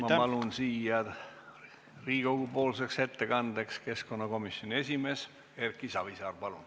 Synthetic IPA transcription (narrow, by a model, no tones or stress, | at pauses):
mɑpɑlunsiːɑ | riːɡ̥owɡ̥upo̞ːlse̞kse̞t̪ːe̞kɑnd̪̥ekske̞sko̞nːɑko̞misjo̞nʲie̞sʲime̞ːs | e̞rkːˑisɑvisɑːrpɑlun